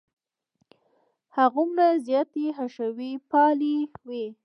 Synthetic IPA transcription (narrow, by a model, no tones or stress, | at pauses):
haɣumnazjɑt̪iɦaʃawipɑliwe